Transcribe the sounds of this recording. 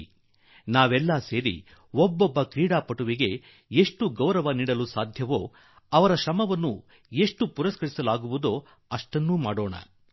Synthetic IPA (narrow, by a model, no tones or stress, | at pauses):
naːʋɛlːɐse̞ːɾḭ | ɔbːɔbːɐkɾiːɽaːpɐʈuʋiɡe̞ | eʂʈuɡɐwɾɐʋɐniːɽɐlusaːd̪ʱjɐʋoː | ɐʋɐɾɐʃɐmɐʋɐnːu | e̞ʂʈupuɾɐskɐɾisɐlaːɡuʋud̪o | ɐʂʈɐnːumaːɽoːɳɐ̰